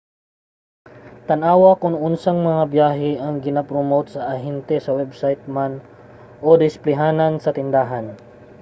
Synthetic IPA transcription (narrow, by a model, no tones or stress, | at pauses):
t̪ɐnʔaːwɐkʊŋʔʊnsaŋmɐŋabjaːɦɪʔɐŋɡɪnɐpɾomowt̪̚sɐʔɐɦɛnt̪ɛsɐwɛbsajt̪̚man | ʔod̪ɪsplɪɦaːnɐnsɐt̪ɪnd̪aːɦan